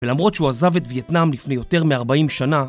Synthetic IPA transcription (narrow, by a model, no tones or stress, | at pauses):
velamʁo̞tʃuazavet̪vjetnamlifne̞jo̞te̞ʁmeaʁbaimʃana